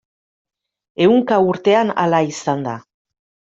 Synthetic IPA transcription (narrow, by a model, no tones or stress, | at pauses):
e̞uŋkauɾt̪e̞ana̰laisand̪a